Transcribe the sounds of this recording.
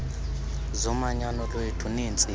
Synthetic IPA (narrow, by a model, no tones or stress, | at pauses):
zɔmaɲanɔlwetʰunint͡sʼi